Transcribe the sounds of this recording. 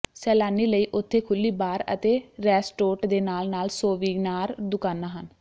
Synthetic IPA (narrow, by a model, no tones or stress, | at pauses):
sɛːlaːniːləiːʔʊt̪ʰːeːkʰʊlːiːbaːɾə̰t̪eːɾɛːsʈoːʈd̪eːnaːlnaːlsoːʋiːɡnaːɾd̪ʊkaːnːaːɦən